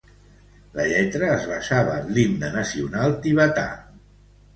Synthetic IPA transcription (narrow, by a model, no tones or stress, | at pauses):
ləʎɛt̪ɾəːzβaʃaβəβlind̪ənasiunalˠt̪iβat̪a̰